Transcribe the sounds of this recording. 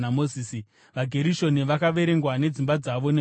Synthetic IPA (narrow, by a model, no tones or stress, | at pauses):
amoziːsi | ʋaɡʱe̞ɾiʃo̞niʋakaʋe̞ɾe̞ŋɡwane̞d͡zimbad͡zaʋo̞ne